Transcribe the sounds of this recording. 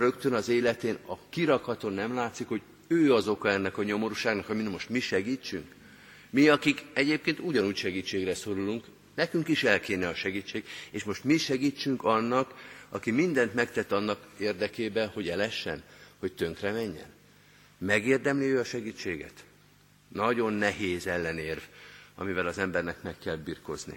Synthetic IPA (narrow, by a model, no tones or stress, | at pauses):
rø̞kt̪ønɒzeːlɛt̪eːnɒkiɾɒkhɒt̪onːɛmlaːt̪sikho̞ɟ | øːɒzo̞kɒɛnːɛkɒɲo̞mo̞ɾuʃaːɡnɒkɒminmo̞ʃt̪miʃɛɡiːt͡ʃːyŋk | miɒkikɛɟeːp̚keːnt̪uɟɒnuːcʃɛɡiːt͡ʃːeːɡrɛso̞ɾuluŋk | nɛkyŋkiʃɛlkeːnɛɒʃɛɡiːt͡ʃːeːɡeːʃmo̞ʃt̪miʃɛɡiːt͡ʃːyŋkɒnːɒkɒkimind̪ɛnt̪mɛkt̪ɛt̪ːɒnːɒkeːrd̪ɛkeːbɛho̞ɟɛlɛʃːɛ̰nho̞c̚t̪ø̞ŋkrɛmɛɲːɛ̰n | mɛɡeːrd̪ɛmliøːɒʃɛɡiːt͡ʃːeːɡɛ̰t̪ | nɒɟo̞nːɛɦeːzɛlːɛneːrvɒ̰mivɛlɒzɛmbɛrnɛkmɛkːɛlbirko̞̰znḭ